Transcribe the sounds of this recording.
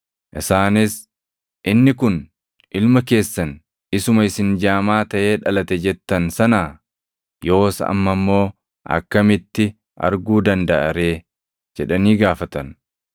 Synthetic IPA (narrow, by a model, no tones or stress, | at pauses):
ʔɪsaːnɪs | ʔɪnːɪkʊn | ʔɪlmɐke̞ːsːɐn | ɪsʊmɐɪsɪnd͡ʒaːmaːt̪ɐʔe̞ːᶑɐlɐt̪ɛd͡ʒɛt̪ːɐnsɐnaː | jo̞ːsɐɐ̰mːɐmːo̞ː | ʔɐ̰kːɐmɪt̪ːɪ | ʔɐ̰ɾɡuːd̪ɐnd̪ɐʔɐɾe̞ː | d͡ʒɛᶑɐniːɡaːfɐt̪ɐn